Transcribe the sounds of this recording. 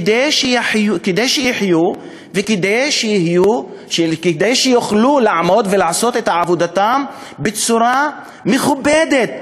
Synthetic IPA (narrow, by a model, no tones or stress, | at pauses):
d̪ejʃeħjked̪ejʃejiħju | veked̪ejʃejihju | ʃked̪ejʃejuχlulaʕmo̞d̪velaʕaso̞t̪et̪haʕavod̪at̪am | bet͡suɾa | meχubed̪et̪̚